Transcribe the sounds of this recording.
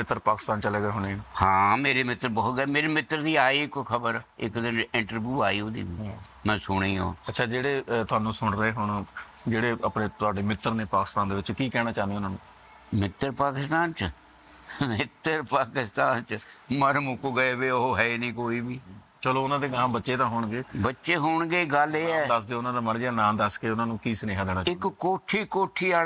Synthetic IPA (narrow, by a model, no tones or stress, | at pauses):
mɪt̪ːəɾpaːkɪ̥st̪aːnt͡ʃəleːɡəeːɦʊneːnːhãːmeːɾeːmɪt̪ːəɾbɔːt̪ɡəːmeːɾeːmɪt̪ːəɾd̪iːaːiːɪkkʰəbəɾɪkd̪ɪnɪɳʈəɾʋjuːaːiːoːd̪ḭːbiːmɛ̃ːsʊɽ̃eːo̰ːətːʃʰaːd͡ʒeːɽeːt̪ʊaːnũːsʊɳɾəeːɦʊɳd͡ʒeːɽeːəpneːt̪ʊaːɖeːmɪt̪ːəɾneːpaːkɪ̥st̪aːnd̪eːʋɪt͡ʃkiːkɛːɽ̃ãːt͡ʃaːnd̪eːʊnãːnũː | mɪt̪ːəɾpaːkɪst̪aːnt͡ʃ | mɪt̪əɾpaːkɪst̪aːnt͡ʃməɾmʊkuɡəeːbeːooɦɛenĩːkoːiːbiː | t͡ʃəloːʊnãːd̪eːɡãːbətːʃeːd̪ãːɦʊːɳɡeːbətːʃeːɦʊːɳɡeːɡəleːɛːd̪əsd̪eːʊnãːd̪aːməɽɡɪaːnãːd̪əskeːʊnãːnũːkiːsəneːɦaːd̪eːɽ̃aːɪkkoːʈʰːiːkoːʈʰiːaː